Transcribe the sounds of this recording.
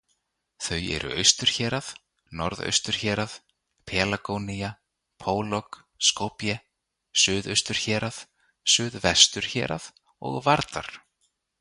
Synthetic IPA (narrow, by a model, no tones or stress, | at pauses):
θœjɛ̰ɾʔʏ̰ʔœɥst̪ʏɾ̥çɛːɾað | nɔɾðœ̰ɥst̪ʏɾ̥çɛːɾaθ | pʰɛːlakoːwnija | pʰoːwlɔk | skowpjɛ | sʏːðœɥst̪ʏɾ̥çɛːɾaθ | sʏːðvɛst̪ʏɾ̥çɛ̰ːɾʔa̰ð | ɔ̰ɣvaɾt̪a̰ɾ̥